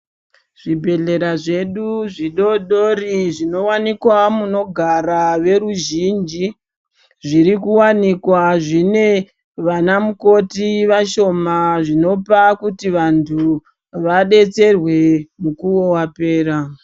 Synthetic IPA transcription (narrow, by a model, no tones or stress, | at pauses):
ʐ̥ibʱe̞ɮe̞ɾaʐe̞ɗuʐiɗo̞ɗo̞riʐino̞wanikwamuno̞ɡʱaɾaʋe̞ɾuʒind͡ʒi | ʐiɾikuwanikwaʐine̞ | ʋanamuko̞tiʋaʃo̞maʐino̞pakutiʋantʰu | ʋaɗe̞t͡se̞rwe̞mukuwo̞wape̞ːɾa